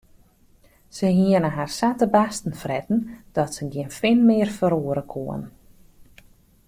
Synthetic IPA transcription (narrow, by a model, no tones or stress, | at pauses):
səɦiənəɦarsatəbastn̩frɛtn̩d̥ɔtsəɡjiənfɪnmɪərfəɾoəɾəkʰoən